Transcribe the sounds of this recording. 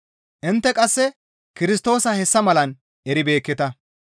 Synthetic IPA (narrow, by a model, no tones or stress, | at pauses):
ʔɪnt̪ːɛkʼɐsːɛ | kɪɾɪst̪o̞ːsɐhɛsːɐmɐlɐn | ʔɛɾɪbe̞ːkːɪt̪ɐ